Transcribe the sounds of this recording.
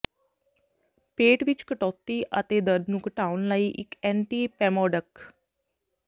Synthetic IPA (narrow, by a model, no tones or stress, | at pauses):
peːʈʋɪt͡ʃkəʈɔːt̪iːʔə̰t̪eːd̪əɾd̪nũːkəʈaːʊnləiːʔɪkɛ̃ːɳʈiːpɛːmɔːɖək